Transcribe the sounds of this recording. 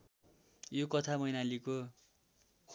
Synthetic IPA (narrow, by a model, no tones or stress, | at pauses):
jokʌt̪ʰamʌjnaliko | k